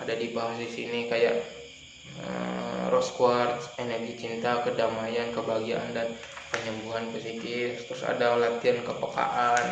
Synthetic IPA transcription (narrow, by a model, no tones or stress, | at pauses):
ʔadadibaɦasisinikajaʔ | ə̰mrɔskwart̪enərɡit͡ʃint̪akədamajankəbaɡiaʔa̰ndan | pəɲəmbuɦanpəsikɪst̪ɾʊsa̰dalat̪iankəpəka̰ʔan